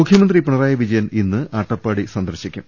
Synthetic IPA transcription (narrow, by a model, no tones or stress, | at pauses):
mukʰjɐmɐnd̪ripuɳɐraːjɐʋid͡ʑɐjɐninːɨʔaːʈːɐpːaːɽisɐnd̪ɐrɕikʲːum